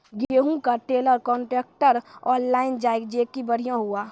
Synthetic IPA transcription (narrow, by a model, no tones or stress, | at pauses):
ɡeːɦũkaʈeːləɾkɔ̃ːɳʈɾeːkʈəɾɔːnlaːɪnd͡ʒaːekd͡ʒeːkibəɽ̤ijãɦuaː